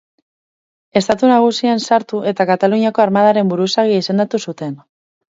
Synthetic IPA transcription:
e̞st̪at̪unaɣ̞usiansaɾt̪uʔe̞t̪akat̪aluɲiako̞aɾmað̞aɾe̞mbuɾusaɣ̞iise̞nd̪at̪usut̪e̞n

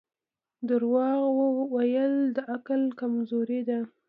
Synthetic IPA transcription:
d̪əɾwɑɣwəwajəld̪əʔaklkamzoɾid̪a

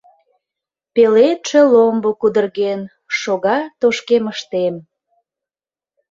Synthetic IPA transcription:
pelet̪ʃĕlombokud̪ərɣen | ʃoɣɑt̪oʃkeməʃt̪em

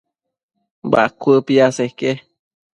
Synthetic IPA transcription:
ba̰ʔkʷəpiaseke

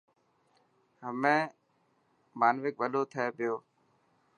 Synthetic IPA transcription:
ɦəmẽː | maːnʋɪk̚ʋəloːt̪ʰəeːpɪjoː

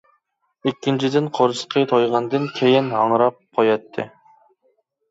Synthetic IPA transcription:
ikʲːint͡ʃʰid̪ɪnqʰoɾɨsqʰət̪ʰojʁɑnd̪ɨnkʲʰejinɑŋɾɑp̚qʰojɑt̪ʰːɨ̰

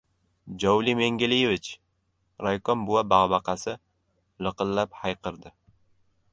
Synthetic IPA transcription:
d͡ʒɒwlimeŋɡʲɪlɪjevɪt͡ʃ | ɾajkɒnbʊwabaʁbɑqɑsɪ | lɨqɨlːaphajqɨɾd̪ɪ

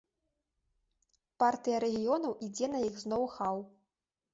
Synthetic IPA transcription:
part̪ɨjɐɾɛɣʲijɔnɐwʔid͡zʲɛnɐjiɣznɔwxaw

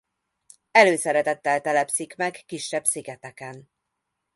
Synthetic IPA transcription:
ɛløːsɛɾɛt̪ɛt̪ːɛlt̪ɛlɛpsikmɛɡːiʃːɛbsiɡɛt̪ɛkɛn

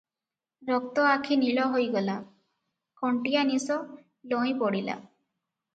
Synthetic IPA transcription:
ɾɔk̚t̪ɔakʰiniɭɔɦojɡɔla | kɔɳʈijanisɔ | lɔĩpɔɽila̰

